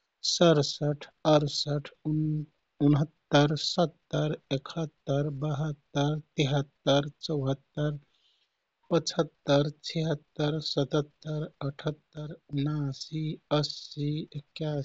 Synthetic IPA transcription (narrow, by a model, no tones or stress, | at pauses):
səɾsəʈʰəɾsəʈʰ | unɦət̪ːəɾsət̪ːəɾekʰət̪ːəɾbəɦət̪ːəɾt̪iɦət̪ːəɾt͡ʃəʊɦət̪ːəɾ | pət͡ʃʰət̪ːəɾt͡ʃʰiɦət̪ːəɾsət̪ət̪ːəɾəʈʰət̪ːəɾunasiəsiekja